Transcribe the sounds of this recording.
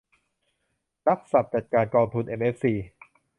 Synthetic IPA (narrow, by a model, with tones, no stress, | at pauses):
ɾa˦˥p̚sa˨˩p̚t͡ɕa˨˩t̪̚kaː˧nkɔː˧ŋt̪ʰu˧nʔe˧mʔe˦˥fsiː˧